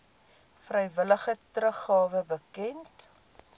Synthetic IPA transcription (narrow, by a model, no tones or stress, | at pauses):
frəjvələχətrəχɑːvəbəkɛnt